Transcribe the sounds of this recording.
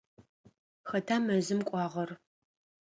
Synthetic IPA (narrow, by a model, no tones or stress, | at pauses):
xɐtʰaːmɐzɨmkʷʼɑːʁɐr